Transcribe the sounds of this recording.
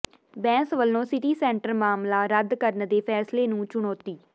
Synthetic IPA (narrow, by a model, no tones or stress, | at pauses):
bɛ̃ːsʋəlːõːsɪʈiːsɛ̃ːɳʈəɾmaːmlaːɾəd̪kəɾnd̪eːpʰɛːsleːnũːt͡ʃʊɳ̃oːt̪iː